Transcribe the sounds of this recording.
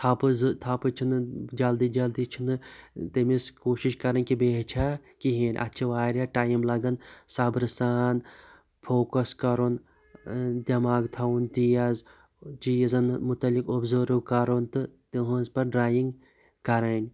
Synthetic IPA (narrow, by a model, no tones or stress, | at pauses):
t̪ʰapɨzt̪ʰapɨt͡ʃʰunɨd͡ʒɐld̪id͡ʒɐld̪it͡ʃʰunɨt̪imiskoːʃiʃkɐɾɐnʲkibeːɦt͡ʃʰakiɦeːnʲʔɐ̰tːt͡ʃʰiʋaːɾjaʈaːjimlɐɡɐnsɐbɾɨsaːn | pʰoːkɐskɐɾon | d̪ʲɐmaːɡt̪ʰɐunt̪ijɐz | t͡ʃijɐzɐnmut̪ɐlikobzoːɾukɐɾont̪ɨt̪iɦũzpɐɾɖɾaːjiŋɡ | kɐɾɐnʲ